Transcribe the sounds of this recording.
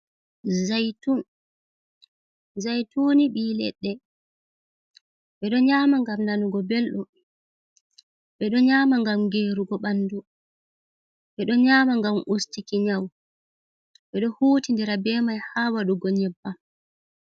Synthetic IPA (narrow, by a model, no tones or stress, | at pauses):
zajtun | zajtuːniɓiːlɛ̰ɗːɛ | ɓɛɗɔɲaːmaŋɡamnanuɡɔbelɗum | ɓɛɗɔɲaːmaŋɡamŋɡeːɾuɡɔɓanːdu | ɓɛɗɔɲaːmaŋɡamʔustikiɲaw | ɓɛɗɔhuːtindɛɾabɛːmajhaːwaɗuɡɔɲɛbːa